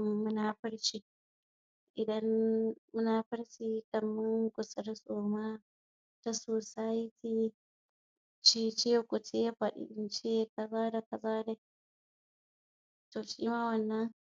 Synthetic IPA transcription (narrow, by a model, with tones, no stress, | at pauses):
mʊ˦naː˦ɸɪ˦ɽt͡ʃiː˦˨ | ʔɪ˨dɐ˦mmʊ˦naː˨ɸɪ˦ɽt͡ʃiː˦kɐ˨mːɪ˦ŋkʷʊ˨sɪ˨˦ɾsoː˨ma˦ | ta˦soː˨sa˦ji˦tiː˦ | t͡ʃeː˦t͡ʃe˦kʷʊ˨te˦ɸɐ˨ɗɪ̰˨ɪ˦nt͡ʃe˦kɐ˨zaː˦da˨kɐ˨zaː˦da˨ | toː˨ʃiː˦maː˦wɐ˨nːɐ˦ŋ